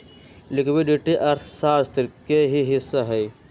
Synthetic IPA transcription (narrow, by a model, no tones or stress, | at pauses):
lɪkʰwiɖiʈiʔɐɾt̪ʰsaːst̪ɾkeɦiɦɪsːaɦɛː